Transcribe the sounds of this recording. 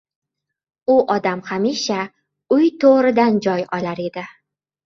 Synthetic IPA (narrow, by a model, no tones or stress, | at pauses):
ʊʔɒd̪amhamiʃa | ʊjt̪ʰoʁɾɪd̪and͡ʒɒjɒlaɾe̞d̪ɪ